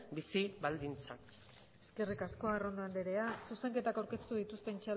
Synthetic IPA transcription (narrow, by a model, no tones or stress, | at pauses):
bisiβald̪int͡sak | e̞ske̞rikasko̞aro̞nd̪oand̪eɾe̞asuse̞ŋke̞t̪akawɾke̞st̪uðit̪ust̪e̞nt͡ʃa